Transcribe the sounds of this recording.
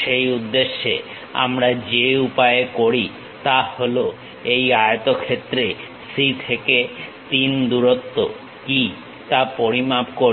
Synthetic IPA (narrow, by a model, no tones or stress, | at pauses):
ʃejud̪ːeʃːe | a̰mɾad͡ʑeupaekoɾi | t̪aholo | ejajot̪okʰet̪ːɾe | sit̪ʰeket̪ind̪uɾot̪ːo̰ | ki | t̪apoɾimapko